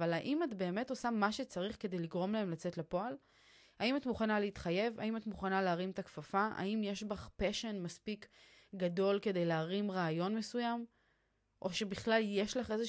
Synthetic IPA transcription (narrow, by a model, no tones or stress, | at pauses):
valaʔimatbe̞ːme̞to̞samaʃe̞t͡saʁiχke̞d̪e̞jliɡʁo̞mlae̞mlat͡se̞tlapo̞al | aimatmuχanaleit̪χaje̞va̰imatmuχanaleaʁimtakfafaa̰imjeʃbaχpeʃenmaspik | ɡado̞lke̞de̞jleaʁimʁaːjo̞nme̞sujam | ʔo̞ʃebiχlalje̞ʃlaχe̞ze